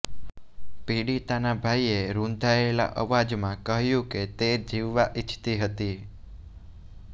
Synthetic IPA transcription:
piɽit̪anabʱaieɾũnd̪ʱaela̰ʔəʋad͡ʒmãkəɦjũket̪ed͡ʒiʋːaʔit͡ʃʰt̪iɦət̪i

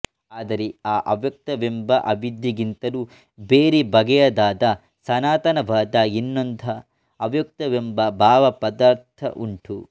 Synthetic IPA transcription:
aːd̪ɐɾeaːʔɐʋjɐk̚t̪ɐʋembɐʔɐʋid̪jiɡint̪ɐlu | beːɾibɐɡɛjɐd̪aːd̪ɐ | sɐnaːt̪ɐnɐbʱaːd̪ainːond̪ʱɐ | ɐʋjɐk̚t̪ɐʋembɐbʱaːʋɐpɐd̪aːɾt̪ʰɐ̰ʔuɳʈu

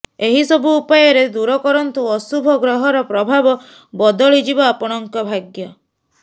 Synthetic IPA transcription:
eɦisɔbuːpajɔɾed̪uɾɔkɔɾɔnt̪uɔsubʱɔɡɾɔɦɔɾɔpɾɔbʱabɔ | bɔd̪ɔɭid͡ʒibaapɔɽ̃ɔŋkɔbʱaɡjɔ

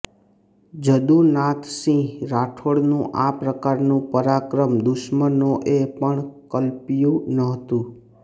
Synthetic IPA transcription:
d͡ʒəd̪ũnãt̪ʰsĩɾaʈʰoɽnũʔapɾəkaɾnũpəɾakɾəmd̪ʊʃmənoʔepəɳkəlpjũnəɦt̪ũ

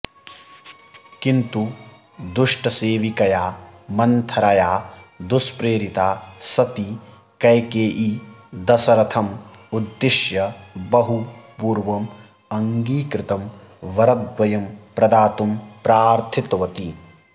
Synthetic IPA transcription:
kint̪u | d̪uʂʈɐseːʋikɐjaːmɐnt̪ʰɐɾɐjaːd̪uspɾeːɾit̪aːsɐt̪i | kɐjkeːʔid̪ɐsɐɾɐt̪ʰɐmud̪ːɪʃjɐbɐɦupuːɾʋɐm | ɐŋɡiːkɾɪt̪ɐm | ʋɐɾɐd̪̚ʋɐjɐmpɾɐd̪aːt̪umpɾaːɾt̪ʰit̪ʋɐt̪i

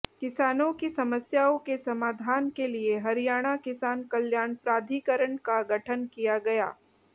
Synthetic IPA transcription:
kɪsaːnõkisɐməsjaːõkesɐmaːd̪ʱaːnkelieɦɐɾijaːɽ̃akɪsaːnkɐljaːnpɾaːd̪ʱikəɾəɳkaɡʱɐʈʰənkijaɡɐja̰ː

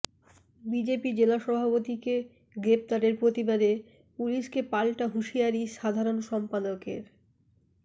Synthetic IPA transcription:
bid͡ʑepid͡ʑelaʃɔbʱapot̪ike | ɡɾep̚t̪aɾeɾpɾot̪ibaɾe | puliʃkepalʈaɦuʃijaɾiʃad̪ʱaɾonʃɔmpad̪okeɾ

